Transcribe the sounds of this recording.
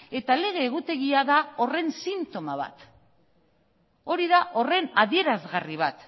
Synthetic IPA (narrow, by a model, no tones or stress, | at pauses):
e̞t̪ale̞ɣ̞e̞ːɣ̞ut̪e̞ɣ̞iaðao̞re̞nsint̪o̞maβ̞a̰t̪ | o̞ɾiðaʔo̞re̞naðie̞ɾazɣariβ̞at̪